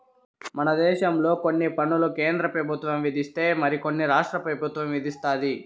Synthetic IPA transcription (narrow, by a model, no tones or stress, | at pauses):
mɐnɐd̪ɛːʃɐmlo̞ːko̞nːipɐɳulukeːnd̪ɾɐpɾɐbʱut̪ʋɐmʋid̪ʱist̪e̞ːmɐɾiko̞nːiɾaːʂʈɾɐpɾɐbʱut̪ʋɐmʋid̪ist̪aːd̪i